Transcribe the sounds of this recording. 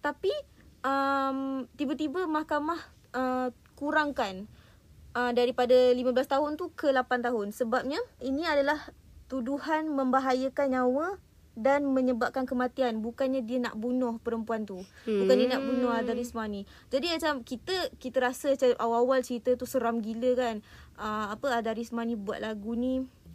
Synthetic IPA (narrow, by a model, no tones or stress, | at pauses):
t̪api | əmt̪ibət̪ibəmahkamah | ə | kuɾaŋkan | əmdaɾipadalimabəlast̪aɦʊnt̪ukəlapant̪aɦʊnsəbap̚ɲainĩadalah | t̪uduhanmə̃mbaɦajəkanɲawə | danmə̃ɲəbap̚kankəmãt̪ianbukanɲadiəna̰ʔbunɔhpəɾəmpuant̪ubukandiənaʔbunɔɦad̪aɾismani | d͡ʒadiat͡ʃamkit̪əkit̪əɾasəsəʔawawalt͡ʃəɾit̪ət̪usəɾamɡiləkanəmapəad̪aɾismanĩbua̰t̪̚laɡuni